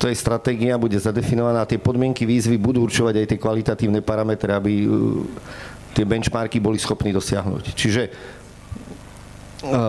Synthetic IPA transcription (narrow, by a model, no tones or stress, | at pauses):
t̪ɔjɛst̪ɾat̪ɛːɡiabuɟɛzad̪ɛfinɔʋanaːt̪ɪɛpɔd̪mɪɛŋkiʋiːzʋibud̪uːuɾt͡ʃuʋaɟajt̪ɪɛkʋalit̪at̪iːʊnɛpaɾamɛt̪ɾɛabi | t̪ɪɛbɛnt͡ʃmaɾkibɔlisxɔpniːd̪ɔsɪa̰ɦnṵːct͡ʃiʒɛ